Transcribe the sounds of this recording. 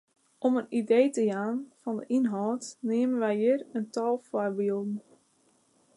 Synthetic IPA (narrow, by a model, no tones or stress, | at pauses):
ʔɔmənidejtəjaːnfɑndəʔinɦɔltneːmənʋɛjjɪrəntɔlˠfɔrbilˠdn̩